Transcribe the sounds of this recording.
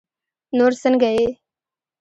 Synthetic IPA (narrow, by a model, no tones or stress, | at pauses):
noːɾsənɡɐeː